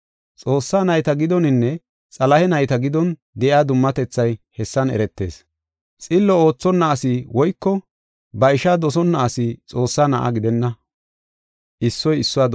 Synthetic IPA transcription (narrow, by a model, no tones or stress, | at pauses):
t͡sʼo̞ːsːaːnɐjt̪ɐɡɪd̪ɔnɪnːɛ | t͡sʼɐlɐhɛnɐjt̪ɐɡɪd̪ɔn | d̪ɛʔɪaːd̪ʊmːɐt̪ɛt͡sːɐjhɛsːɐnɛ̰ɾɛt̪ːe̞̰ːs | t͡sʼɪlːɔo̞ːt͡sːɔnːɐːsɪwɔjkːɔ | bɐɪʃaːd̪ɔsɔnːɐʔːsɪt͡sʼo̞ːsːaːnɐʔa̰ɡɪd̪ɛnːɐ | ʔɪsːɔjɪsːʊwaːd̪